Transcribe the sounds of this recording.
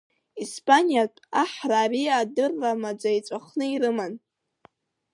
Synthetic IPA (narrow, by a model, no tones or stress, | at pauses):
ispʰʼanijatʼaħraːriadɨrːamad͡zait͡sʷʼaχnɨiɾɨman